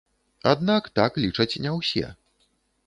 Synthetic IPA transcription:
a̰d̪nakt̪aklʲit͡ʂɐt͡sʲnʲɛwsʲɛ̰

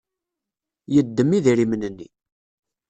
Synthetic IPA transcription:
jəd̪ːəmːiðiɾimnənːḭ

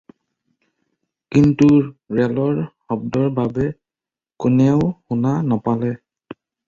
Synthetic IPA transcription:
kintuɹɛlɔɹxɔbdɔɹbabɛ | kunɛʊxunanapalɛ

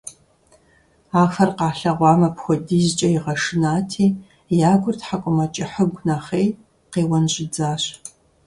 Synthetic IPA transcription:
aːxɐrqɑːɬɐʁʷɑːmɐpxʷɔdiːzt͡ʃʼɐjɪʁɐʂɨnaːtʰiː | jaːɡʷʊrtħakʷʼʊmɐt͡ʃʼɪħəɡʷnɐχeːj | qeːwɐnɕʼɪd͡zaːɕ

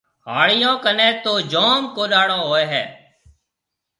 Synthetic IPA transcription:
ɦaːɽɪjõːkənẽːt̪oːd͡ʒoːmkoːɗaːɽõːɦoːeːɦɛ̰ː

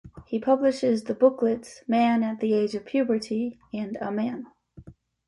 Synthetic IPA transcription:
hipʰʌblɨʃɪzðɨbʊklɨtsmæ̃nɨt̪̚ðieɪd͡ʒʌv̥pʰj̥ʉbə˞ɾiɨ̃nəmæ̃n

